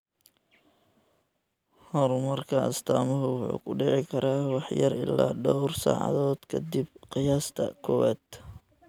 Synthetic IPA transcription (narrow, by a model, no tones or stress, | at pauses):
hɔɾmɐrkʰɐɐst̪ʰaːmɔɦʊwʊħṵːkʰʊɖɪʕɪkʰɐɾaːwɑħjɐrɪ̰lːaːɖɔwrsa̰ːʕɑ̰ðɔːd̪̥kʰɐd̪ib̚qɪjaːst̪ʰɐkʰɔwɛ̰ːd̪